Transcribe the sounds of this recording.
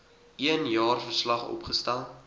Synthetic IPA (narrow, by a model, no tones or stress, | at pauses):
iənjɑːrfərslɐχɔ̰pχəstælˠt